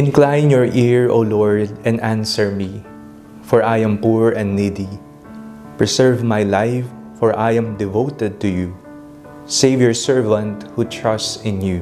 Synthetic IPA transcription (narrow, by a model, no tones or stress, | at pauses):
ʔɪ̃nklãjnjɔɹʔiɹo̰lɔɹd̪ɛ̃næ̃nsɛɹmi | fɔɹʔajɛ̃mpuɹɛ̃nd̪nid̪i | pɹɛsɛɹvmajlajfː | ɔɹʔajɛ̃md̪ɪvoʊt̪ɛd̪̚t̪uju | sejvjɔɹsɛɹvãnt̪hut̪ʰɹʌstsɪ̃nju